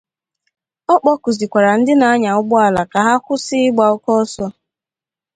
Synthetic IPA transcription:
ɔ˦k͡pɔ˦ku˨zi˨kʷa˨ɾa˨n̩˦dɪ˦na˨a˦ɲa˨ʊ˦ɡ͡bʊ˦a˦la˨ka˨ɦa˦kʷʊ˦sɪ˦ɪ˦ɡ͡ba˨ɔ˦kɔ˦sɔ˦

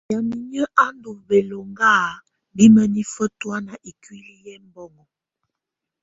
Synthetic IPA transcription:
ja˨mi˨ɲə˦ʔa˦ndu˨be˨lo˨ŋɡa˦˨ | bi˦mə˦ni˦fə˦twa˦na˨ʔi˨kwi˦li˦jɛ˦m˦bɔ˦ŋɔ˨

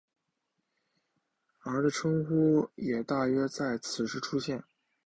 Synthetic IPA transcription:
ə˞˧˥d̪ə˧ʈ͡ʂʰɤ˥ŋxu˥jɛ˨˩t̪a˥˩ɥɛ˥t͡sa˥˩ɪt͡sʰɹ̩˨˩ʂɻ̩˥˩ʈ͡ʂʰu˥ɕjɛ˥˩n

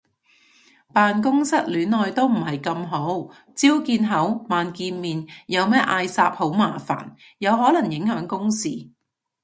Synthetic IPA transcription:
paː˨nkʊ˥ŋsɐ˥t̚lyː˨˥nɔː˨jt̪o˥wm̩˨˩ɦɐ˨jkɐ˧mɦo˨˥w | t͡siː˥wkiː˧nɦɐ˨˥wmaː˨nkiː˧nmiː˨njɐ˨˧wmɛː˥ʔaː˧jsaː˧˥p̚ho˨˥wmaː˨˩fa̰ː˨˩n | jɐ˨˧wɦɔː˨˥lɐ˨˩ŋjɪ˨˥ŋhœː˨˥ŋkʊ˥ŋsḭː˨

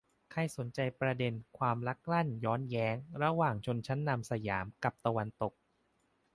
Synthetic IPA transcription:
kʰa˧jso˩˦nt͡ɕa˧jpɾa˧de˧nkʰwaː˧mɾa˦˥k̚la˥˩njɔː˦˥njɛː˦˥ŋɾa˧waː˨˩ŋt͡ɕʰo˧nt͡ɕʰa˦˥nːa˧msa˧jaː˩˦mka˨˩p̚t̪a˧wa˧nt̪o˨˩k̚

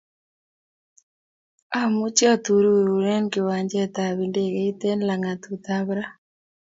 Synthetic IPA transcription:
a˨mu˦t͡ʃja˦t̪u˨ɾu˦˨u˨ɾɛ˦nkɪ˨wa˨ɲd͡ʒɛ˦t̪a˨βi˨nde˦˨ɣɛ˨i˦t̪e˦nla˨ŋa˨t̪u˨t̪a˦βɾa˦

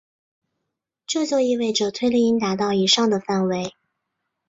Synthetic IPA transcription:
ʈ͡ʂɤ˥˧t͡swɔ˥˧i˥˧we˥˩ɪʈ͡ʂɤ˨˩t̪ʰwe˥ɪli˥˧i˥nt̪a˧˥t̪ɑ˥˩ʊi˨˩ʂɑ˥˩ŋd̪ə˩fa˥˩nwe˧˥ɪ

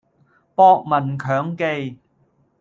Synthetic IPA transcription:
pɔː˧k̚mɐ˨˩nkʰœː˨˥ŋke˧j

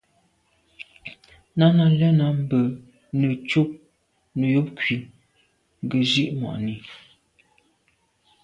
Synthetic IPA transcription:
na˦na˨lɛ˦na˦m˦bə˨ | nə˨t͡ʃu˦p̚ | nə˨jo˦p̚kɥi˨ | ŋ˨ɡə˨d͡ʒi˦ʔmwa̰˨ʔni˨

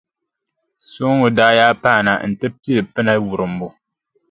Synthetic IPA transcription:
so˦ŋo˨daː˦jaː˦pa˦˨na̰˨n̩˨tɨ˦ti˦lɨ˨pɨ˦na˦wu˨ɾɨ˨m̩˦bo˦

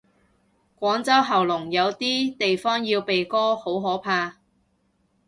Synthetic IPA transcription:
kʷɔː˨˥ŋt͡sɐ˥wɦɐ˨˩wlʊ˨˩ŋjɐ˨˧wt̪iː˥t̪e˨jfɔː˥ŋjiː˧wpe˨jkɔː˥ho˨˥wɦɔː˨˥pʰaː˧

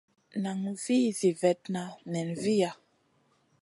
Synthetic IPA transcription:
na˨ŋvi˦zi˨vɛ˨t̚na˨nɛ˨nvi˦ja˨

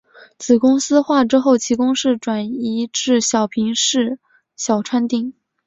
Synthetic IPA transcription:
t͡sʰɹ̩˨˩kʊ˥ŋsɹ̩˥xwa˥˩ʈ͡ʂɻ̩˥xo˥˩ʊt͡ɕʰi˧˥kʊ˥ŋʂɻ̩˥˩ʈ͡ʂwa˨˩ni˧˥ʈ͡ʂɻ̩˥˩ɕjɑ˨˩ʊpʰi˧˥ŋʂɻ̩˥˩ | ɕjɑ˨˩ʊʈ͡ʂʰwa˥nt̪i˥˩ŋ

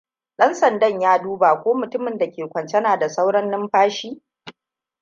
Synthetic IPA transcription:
ɗɐ˦nsɐ˨ndɐ˦˨ɲjaː˦duː˦baː˨kʷoː˦mʊ˨tʊ˦mɪ˨nda˨kʲeː˨kʷɐ˨nt͡ʃɛ˦naː˨da˨sa˦wɽɐ˦nːɪ˦mɸaː˦ʃiː˦

